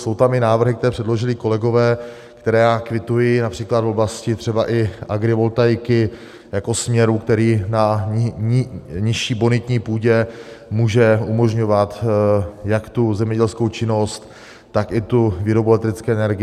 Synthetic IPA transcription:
so̞wt̪amɪnaːvr̩ɦɪk̚t̪ɛɾɛːpr̥ɛdlo̞ʒɪlɪko̞lɛɡo̞vɛː | kt̪ɛɾɛːjaːkvɪt̪ujɪnapr̥iːklad̪vo̞blascɪt̪r̥ɛbaʔɪʔaɡɾɪvo̞lt̪ajkɪ | jako̞smɲɛɾukt̪ɛɾiːna | ɲɪʃiːbonɪt̪ɲiːpuːɟɛmuːʒɛumo̞ʒɲo̞vat̪ | jakt̪uzɛmɲɛɟɛlskowt͡ʃɪno̞st̪ː | akɪt̪uvɪɾobolɛt̪ɾɪt͡skɛːɛnɛɾɡɪ

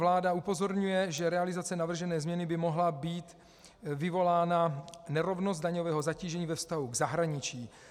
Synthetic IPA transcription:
vlaːdaupo̞zo̞ɾɲujɛʒɛɾɛalɪzat͡sɛnavr̩ʒɛnɛːzmɲɛnɪbɪmo̞ɦlabiːt̪ | vɪvo̞laːnanɛɾo̞vno̞st̪̚daɲo̞vɛːɦo̞zaciːʒɛɲiːvɛfst̪aɦuɡzaɦɾaɲɪt͡ʃiː

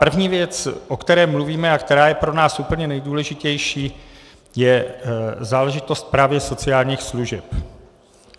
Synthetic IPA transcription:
pr̩vɲiːvjɛt͡sʔo̞kt̪ɛɾɛːmluviːmɛakt̪ɛɾaːjɛpɾo̞naːsʔupl̩ɲɛnɛjduːlɛʒɪcɛjʃiː | jɛ | zaːlɛʒɪt̪o̞st̪̚pɾaːvjɛso̞t͡sɪaːlɲiːxsluʒɛp

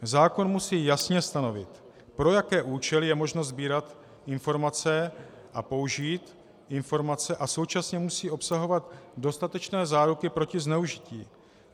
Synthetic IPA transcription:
zaːko̞nmusiːjasɲɛst̪ano̞vɪ̰t̪ | pɾo̞jakɛːʔuːt͡ʃɛlɪjɛmo̞ʒno̞zbiːɾat̪ | ʔɪnfo̞ɾmat͡sɛ | ʔapo̞wʒiːt̪ | ʔɪnfo̞ɾmat͡sɛʔaso̞wt͡ʃasɲɛmusiːʔo̞psaɦo̞vat̪do̞st̪at̪ɛt͡ʃnɛːzaːɾukɪpɾo̞cɪznɛuʒɪcḭː

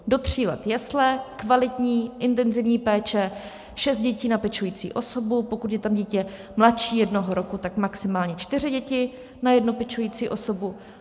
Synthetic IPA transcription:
do̞t̪r̝̥iːlɛ̰t̪jɛslɛkvalɪt̪ɲiːʔɪnt̪ɛnzɪvɲiːpɛːt͡ʃɛ | ʃɛst̪̚ɟɛciːnapɛt͡ʃujiːt͡sḭːʔo̞so̞bupo̞kut̪jɛt̪amɟiːcɛ | mlatt͡ʃiːjɛdnoɦoɾo̞kut̪akmaksɪmaːlɲɛt͡ʃt̪ɪr̝ɪɟɛcɪ | najɛdnopɛt͡ʃujiːt͡siːʔo̞so̞bu

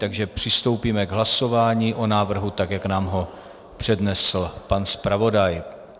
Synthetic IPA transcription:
t̪aɡʒɛpr̝̥ɪst̪o̞wpiːmɛɡɦlaso̞vaːɲiːʔo̞naːvr̩ɦut̪akjaknaːmɦo̞ | pr̝̥ɛdnɛsl̩panspɾavo̞daj

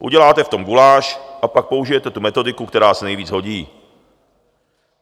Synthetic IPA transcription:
ʔṵɟɛlaːt̪ɛft̪o̞mɡulaːʃʔapak̚po̞uʒɪjɛt̪ɛt̪umɛt̪o̞dɪkukt̪ɛɾaːsɛnɛjviːd͡zɦo̞ɟiː

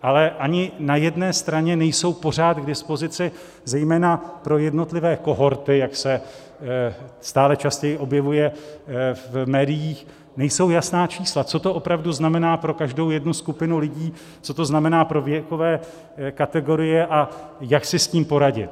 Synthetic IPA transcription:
ʔalɛʔaɲɪnajɛdnɛːst̪ɾaɲɛnɛjso̞wpo̞r̝aːt̪ɡdɪspo̞zɪt͡sɪ | zɛjmɛːnapɾo̞jɛdno̞t̪lɪvɛːko̞ɦo̞ɾt̪ɪjaksɛ | st̪aːlɛt͡ʃascɛjɪʔo̞bjɛvujɛ | vmɛːdɪjiːx | nɛjso̞wjasnaːt͡ʃiːslat͡so̞t̪o̞ʔo̞pɾavduznamɛnaːpɾo̞kaʒdo̞wjɛdnuskupɪnulɪɟiː | t͡so̞t̪o̞znamɛnaːpɾo̞vjɛko̞vɛː | kat̪ɛɡo̞ɾɪjɛʔajaksɪsciːmpo̞ɾaɟɪ̰t̪̚

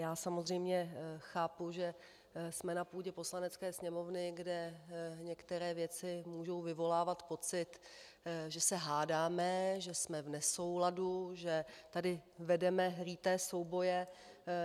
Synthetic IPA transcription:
jaːsamozr̝ɛjmɲɛxaːpuʒɛ | smɛnapuːɟɛpo̞slanɛt͡skɛːsɲɛmo̞vnɪɡdɛɲɛkt̪ɛɾɛːvjɛt͡sɪmuːʒo̞wvɪvo̞laːvat̪po̞t͡sɪt̪ | ʒɛsɛɦaːdaːmɛʒɛsmɛvnɛso̞wladuʒɛt̪adɪvɛdɛmɛɦɾiːt̪ɛːso̞wbo̞jɛ

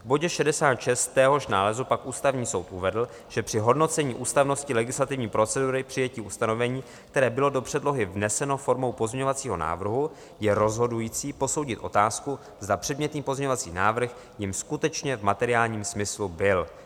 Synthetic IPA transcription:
vbo̞ɟɛʃɛdɛsaːt̪ʃɛst̪ːɛːɦo̞ʃnaːlɛzupakʔuːst̪avɲiːso̞wt̪ʔuvɛdl̩ | ʒ̥ɛpr̥ɪɦo̞dno̞t͡sɛɲiːʔuːst̪avno̞scɪlɛɡɪslat̪ɪvɲiːpɾo̞t͡sɛduɾɪpr̥ɪjɛciʔust̪ano̞vɛɲiː | kt̪ɛɾɛːbɪlo̞do̞pr̥ɛdlo̞ɦɪvnɛsɛno̞fo̞ɾmo̞wpozmɲɛɲovat͡siːɦo̞̰na̰ːvr̩ɦu | jɛɾo̞zɦo̞dujiːt͡siːpo̞so̞wɟɪt̪ʔo̞̰t̪aːsku | zd̪apr̥ɛdmɲɛt̪niːpo̞zmɲɛɲovat͡sḭːna̰ːvr̩x | jɪmskut̪ɛt͡ʃɲɛvmat̪ɛɾɪaːlɲiːmsmɪslubɪl

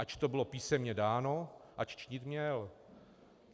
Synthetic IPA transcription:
ʔat͡ʃt̪obɪlo̞piːsɛmɲɛdaːno̞ʔat͡ʃt͡ʃɲɪt̪mɲɛl

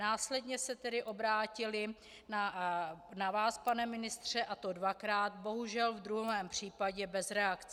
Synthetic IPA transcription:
naːslɛdɲɛsɛt̪ɛdɪʔo̞bɾaːcɪlɪ | na | navaːspanɛmɪnɪst̪r̝̥ɛʔat̪o̞dvakɾaːt̪bo̞ɦuʒɛlvd̪ɾuɦɛːmpr̝̥iːpaɟɛbɛzɾɛakt͡s

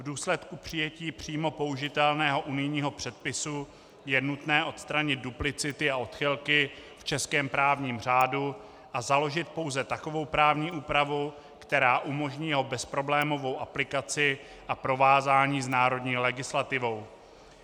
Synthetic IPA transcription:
vduːslɛt̪kupr̝̥ɪjɛciːpr̝̥iːmo̞po̞uʒɪt̪ɛlnɛːɦo̞ʔunɪjɲiːɦo̞pr̝̥ɛt̪̚pɪsu | jɛnut̪nɛːʔo̞t̪st̪ɾaɲɪd̪̚duplɪt͡sɪt̪ɪaʔo̞t̪xɪlkɪft͡ʃɛskɛːmpɾaːvɲiːmr̝aːdu | ʔazalo̞ʒɪt̪̚po̞wzɛt̪ako̞vo̞wpɾaːvɲiːʔuːpɾavu | kt̪ɛɾaːʔumo̞ʒɲiːjɛɦo̞bɛspɾo̞blɛːmo̞vo̞wʔaplɪkat͡sɪ | ʔapɾo̞vaːzaːɲiːznaːɾo̞dɲiːlɛɡɪslat̪ɪvo̞w

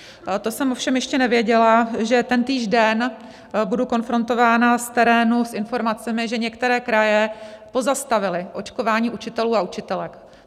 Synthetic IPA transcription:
t̪o̞sɛmo̞fʃɛmjɛʃcɛnɛvjɛɟɛlaʒɛt̪ɛnt̪iːʒdɛn | buduko̞nfɾo̞nt̪o̞vaːnast̪ɛɾɛːnusʔɪnfo̞ɾmat͡sɛmɪʒɛɲɛkt̪ɛɾɛːkɾajɛpo̞zast̪avɪlɪʔo̞t͡ʃko̞vaːɲiːʔut͡ʃɪt̪ɛluːaut͡ʃɪt̪ɛlɛk

